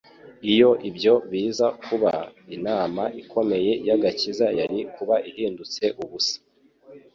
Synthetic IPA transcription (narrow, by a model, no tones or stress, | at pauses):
ijo̞ʔibjo̞βiːzakuβainaːmaʔikʰo̞me̞je̞jaɡacizajaɾikuβaʔihiːndut͡se̞ʔuβusḁ